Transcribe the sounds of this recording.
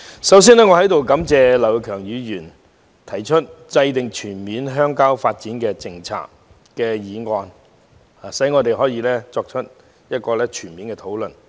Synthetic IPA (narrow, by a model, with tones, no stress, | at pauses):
sɐ˨˥ws̬iː˥nɛː˥ŋɔ˨˧hɐ˨˥jt̪o˨wkɐ˨˥mt͡sɛː˨˧lɐ˨˩wkʰœː˨˩ŋjyː˨˧jyː˨˩n | t̪ʰɐ˨˩jt͡ʃʰɵ˥t̚t͡sɐ˧jt̪ɪ˨ŋt͡ʃʰyː˨˩nmiː˨˥nɦœː˥ŋkaː˥wfaː˧t̚t͡siː˨˥nkɛː˧t͡sɪ˧ŋt͡sʰa̰ː˧k̚ | kɛː˧jiː˨˧ŋɔː˧n | aː˨˩sɐ˨˥jŋɔː˨˧t̪e˨jɦɔː˨˥jiː˨˧lɛː˥t͡sɔː˧k̚t͡ʃʰɵ˥t̚ | jɐ˥t̚kɔː˧lɛː˥t͡ʃʰyː˨˩nmiː˨˥nkɛː˧t̪ʰo˨˥wlɵ˨n